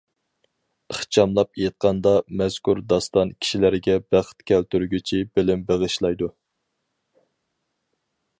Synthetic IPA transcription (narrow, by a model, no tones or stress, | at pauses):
əχt͡ʃʰɑmlˠɑp̚ejet̪̚qʰɑnd̪ɑmɛz̥kuɾd̪ɑst̪ɑnkʲʰi̥ʃilæɾɡʲɛbæχt̪kʲɛlt̪yɾɡʲyt͡ʃʰibɪlɪmbeʁɨʃlˠɑjd̪u